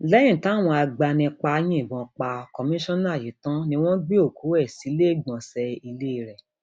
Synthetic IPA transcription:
lɛ̃˦ĩ˦˨ta˦˨w̃ɔ̃˧a˧ɡ͡ba˧nĩ˧k͡pa˧˦j̃ĩ˦i˦˨bɔ̃˨k͡pa˧kɔ˧mĩ˦ʃɔ̃˦nã˦˨ji˨˦tã˦nĩ˧w̃ɔ̃˦ɡ͡be˦o˦˨ku˨˦ɛ˦˨si˨˦le˦˨ɡ͡bɔ̃˨sɛ˧i˧le˦˧ɾɛ˨

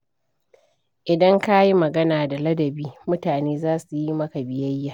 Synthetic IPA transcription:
ʔɪ˨dɐ˦ŋka˦ji˦mɐ˨ɡɐ˦naː˨da˨lɐ˦dɐ˨biː˦mʊ˦taː˨neː˦zaː˦su˨ji˦mɐ˦ka˨bɪ˨jɐ˦jːaː˨

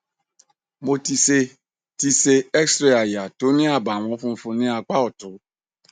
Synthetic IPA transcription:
mo˨ti˨se˨ | ti˨se˨ɛ˦ksɾe˨a˨ja˨to˨˦nĩ˦a˨ba˨w̃ɔ̃˨˦fʊ̃˦fʊ˨nɪ̃˦a˨k͡pa˦ɔ˨tʊ˨˦

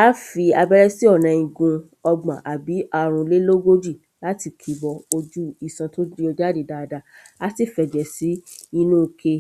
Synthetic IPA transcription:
a˦fi˧a˧bɛ˦ɾɛ˦si˦ɔ˦˨nã˨ĩ˨ɡũ˧ | ɔ˧ɡ͡bã̰˨ʔa˨bi˨˦ʔa˦ɾ̃ũ˧le˦lo˦ɡo˦d͡ʒi˦˨ | la˨˦ti˨kʰi˨˦bɔ˧o˧d͡ʒu˦i˦˨sã˧to˦di˦ɔ˧d͡ʒa˦de˨da˨˧da˧ | a˨˦si˦˨fɛ˨d͡ʒɛ˨si˨˦i˦nũː˦kʰe˧

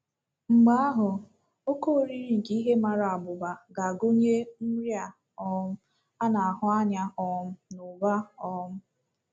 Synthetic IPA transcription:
ŋ͡m̩˨ɡ͡ba˦a˦ɦʊ˨ | o˦ko˦˨ɾi˦ɾi˦˨ŋ̩˨ke˦i˦ɦe˦ma˨ɾa˨a˨bʊ˨ba˨ɡa˨ɡo˦ɲe˦m̩˦ɾja˨ | ɔ˦m̩˦ | a˦na˨a˨ɦʊ˦a˦ɲa˦ɔ˦m̩˦nʊ˨ba˦ɔ˦m̩˦

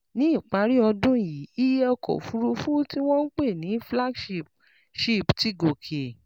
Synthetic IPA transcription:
nĩ˨˦i˦˨k͡pa˨˧˦ɾi˦ɔ˧dũ˦ji˨˦i˦jɛ˦ɔ˧kʰɔ̰˨fu˨˦ɾu˧fu˦ti˦w̃ɔ̃˦n̩˦k͡pe˦˨nĩ˨˦fla˦ɡʃi˦˨p | ʃi˦˨pti˨˦ɡo˨kʰe˨

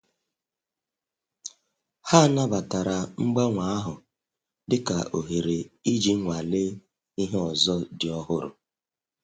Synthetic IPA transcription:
ha˦˨na˦ba˨ta˨ɾa˨ŋ͡m̩˦ɡ͡ba˦ŋʷa˦a˦ɦʊ˨ | dɪ˦ka̰˨ʔo˨ɦe˨ɾe˨i˦d͡ʒi˦ŋʷa˨le˦ | i˦ɦe˦ɔ˨zɔ˦dɪ˨ɔ˦ɦʊ˦ɾʊ̰˨

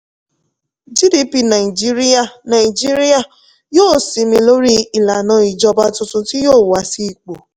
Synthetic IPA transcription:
d͡ʒi˦di˦pi˧nã˨i˨d͡ʒi˦ɾi˦a˦˨nã˨i˨d͡ʒi˦ɾi˦a˨ | joː˦˨si˨˦mĩ˧lo˦ɾi˦i˨la˨nã˨˦i˨d͡ʒɔ˧ba˧˦tʊ̃˧tʊ̃˧ti˦joː˦˨wa˧si˦i˨k͡po˨

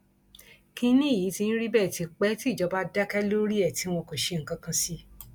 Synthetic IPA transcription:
kĩ˧nĩ˦˨ji˨˦ti˧n̩˦ɾi˦bɛ˦˨ti˧k͡pɛ˦ti˦˨d͡ʒɔ˨˧˦ba˧da˦kɛ˦lo˦ɾi˦ɛ˦˨ti˨˦w̃ɔ̃˧ko˨ʃe˧ŋ̩˨kã˧kã˧si˧

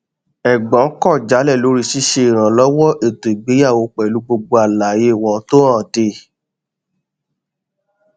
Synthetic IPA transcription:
ɛ˨ɡ͡bɔ̃˨˦kɔ˦˨d͡ʒa˨˦lɛ˦˨lo˨˦ɾi˧˦ʃi˦ʃe˧i˨ɾ̃ã˨lɔ˦wɔ˦ʔe˦˨to˨i˨ɡ͡be˨˦ja˦˨wo˧˦k͡pɛ˨lu˨˦ɡ͡bo˧ɡ͡bo˧a˨la˨je˦˨wɔ˨˦to˦ã˦˨de˧˨

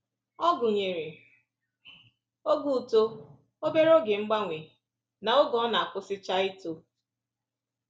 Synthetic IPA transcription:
ɔ˦ɡʊ˨ɲe˨ɾe˨ | o˦ɡu˨to˦ | o˦be˦ɾo˦ɡɪ˨ŋ͡m̩˦ɡ͡ba˦ŋʷe˨ | na˨ʊ˦ɡɔ˦na˨a˨kʷʊ˦sɪ˦t͡ʃa˦i˦to˦

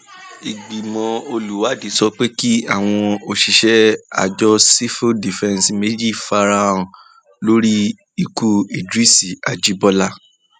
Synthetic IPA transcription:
i˨ɡ͡bi˨mɔ̃˨˧o˧lu˨wa˨˦˨di˨˦sɔ˧k͡pe˦ki˦a˦˨w̃ɔ̃˧o˧ʃi˧ʃɛ˦a̰˨d͡ʒɔ˦si˦fo˦di˨fɛ̃˦˧nsme˦d͡ʒi˦˨fa˧ɾa˦ũ˧ | lo˦ɾi˦ | i˦ku˦i˨dɾi˦si˨a˨d͡ʒi˨˦bɔ˧la˦

